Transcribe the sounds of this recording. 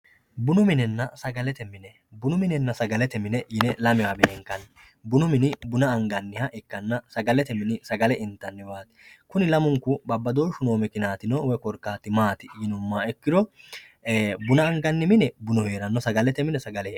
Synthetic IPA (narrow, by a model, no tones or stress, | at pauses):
bʊnʊmɪnɛnːɐsɐɡɐlɛt̪ɛmɪnɛ | bʊnʊmɪnɛnːɐsɐɡɐlɛt̪ɛmɪnɛjɪnɛlɐmɪwabɪnɛŋkːɐn | bʊnʊmɪnɪbʊnɐːŋɡɐnːɪhɐʔɛkːɐnːɐsɐɡɐlɛt̪ɛmɪnɪsɐɡɐlɛʔɪnt̪ːɐnːɛwaːt̪ɪ̥kʊnɪlɐmʊŋkːʊbɐbːɐd̪o̞ːʃʊno̞ːmɛkɪnaːt̪ɪnɔwɛkɔɾkːaːt̪ːɪmaːt̪ɪjɪnʊmːaːɛkːɪɾɔ | bʊnɐːŋɡɐnːɪmɪnɛbʊnɔheːɾɐnːɔsɐɡɐlɛt̪ɛmɪnɛsɐɡɐlɛ